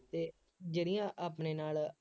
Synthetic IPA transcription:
t̪eː | d͡ʒeːɽɪjãːʔaːpneːnaːl

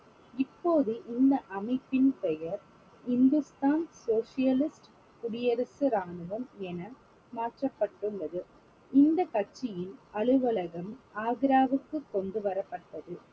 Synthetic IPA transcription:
ɪpːoːðɯʔɪnd̪ɐʔɐmɐɪpːɪnpɛjɐɾ | hɪnd̪ɯst̪aːnsoːʂɪjɐlɪsʈ | kʊɽɪjɐɾɐsɯɾaːnɯʋɐmɛnɐ | maːʈrɐpːɐʈːɯɭːɐðɯ | ɪnd̪ɐkɐʈt͡ʃːɪjɪnɐɭɯʋɐlɐɣɐmaːɣɪɾaːʋɯkːɯkːɔnɖ̪ɯʋɐɾɐpːɐʈːɐðɯ

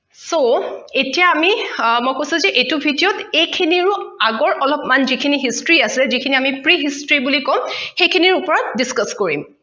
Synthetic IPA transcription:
soetijaːmimɔjkojsuzɛʔetubʱidijɔtejkʰiniɹʊaɡɔɹʔɔlɔpmanzikʰiniɦistɹiasilɛzikʰiniamipɹiɦistɹibulikɔmxejkʰiniɹupɔɹɔt̚diskaskoɹḭm

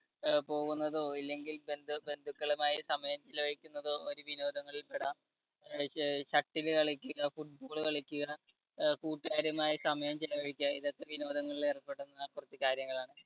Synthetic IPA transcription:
po̞ːɣunːɐðo̞ːilːe̞ŋɡilbe̞nd̪ʱɨbe̞nd̪ʱukːɐɭumaːjisɐmɐjɐmt͡ɕilːɐʋɐɻikʲːunːɐðo̞oɾuʋino̞ːd̪ʱɐŋːɐɭilpeɽɐ | ɕɐʈːilɨkɐɭikʲːuɣɐfuʈ̚bo̞ːɭɨkɐɭikʲːuɣɐ | kuːʈːaːɾɐmaːjisɐmɐjɐmt͡ɕilɐʋɐɻikʲːuɣɐiðɐt̪ːeʋino̞ːd̪ʱɐŋːɐɭilerɐpːe̞ɽunːɐkːurɐt̪ːikaːɾjɐŋːɐɭaːɳɨ

